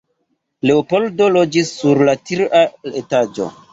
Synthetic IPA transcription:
le̞opo̞ldo̞lo̞d͡ʒisːuɾlatiɾaletad͡ʒo̰

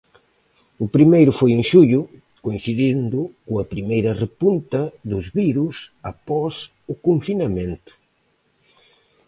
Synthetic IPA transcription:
ʊpɾimejɾʊfojẽŋʃuʎʊ | koinθiðind̪ʊkʊɐpɾimejɾɐrepunt̪ɐðʊzβiɾusapɔs | ʊkoɱfinɐmẽnt̪ʊ̥

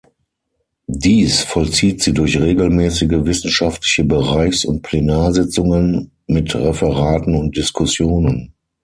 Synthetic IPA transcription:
diːsfɔlt͡siːtz̥iːdʊɐçʁeːɡl̩mɛːsɪɡəvɪsn̩ʃaftʰlɪçəbəʁaɪçsʊ̰nt̚pʰl̥enaːɐzɪt͡sʊŋən | mɪtʁɛfəʁaːtn̩ʊnt̚d̥ɪskʰʊsjoːnən

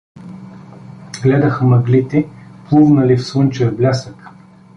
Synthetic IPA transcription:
ɡlɛd̪əxəmɐɡlit̪ɛplˠuvnəlifsɤnt͡ʃɛblʲasək

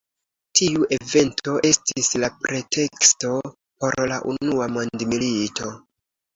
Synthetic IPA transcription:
tiuʔe̞ve̞ntʰo̞ʔe̞stislapɾe̞tʰe̞ksto̞ | po̞ɾlaʔunuamo̞ndmiliitʰo̞

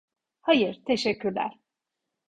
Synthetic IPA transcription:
hajɯɾt̪ʰeʃɛcʰːyɾlʲæ̰ɾ̥

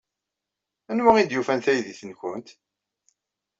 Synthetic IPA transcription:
ænwæʁind̪jufænθæjðiθənkʷʊnt̪

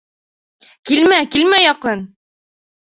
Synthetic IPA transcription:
kilmækilmæjɒqɤn

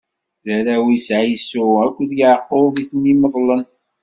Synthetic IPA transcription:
ðæɾæwisʕaijsʊækʷːðjəʕəqːoviθənːiməðˤlən

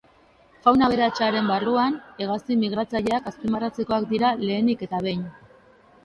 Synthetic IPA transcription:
fawnaβ̞e̞ɾat͡ʃaɾe̞mbaruane̞ɣ̞asimiɣ̞ɾat͡saʎe̞akaspimarat͡se̞ko̞akd̪iɾale̞ːnike̞t̪aβ̞e̞ɲ

